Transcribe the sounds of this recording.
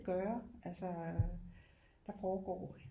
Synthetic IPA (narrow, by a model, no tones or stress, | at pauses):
ɡ̥ɶːɐʔælsɒ | d̥ɑ̈fɒːɡ̥ɒ̰ː